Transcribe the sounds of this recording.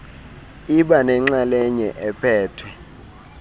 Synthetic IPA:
iɓanɛŋ͡ǁalɛɲɛʔɛpʰɛːtʰwɛ

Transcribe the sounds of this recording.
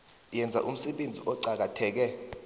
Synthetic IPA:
jɛnd͡zʱa̰ʔum̩sɛɓend͡zʱḭʔɔǀak̬atʰɛːk̬ɛ

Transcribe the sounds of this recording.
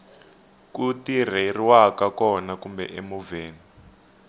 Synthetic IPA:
kutir̤eriwakakɔnakumbɛ̰ʔemuveːni

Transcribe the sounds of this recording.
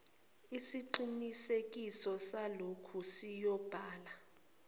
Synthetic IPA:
isiǃinisek̬ʼisɔsalokʰusijɔb̥ʱaːla

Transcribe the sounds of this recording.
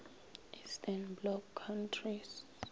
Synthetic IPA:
ʔistʰanblɔkʰːantʰris

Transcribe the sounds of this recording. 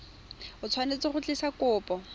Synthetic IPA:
ʊt͡sʰwanet͡sɪχʊt͡ɬɪsakʊːpɔ

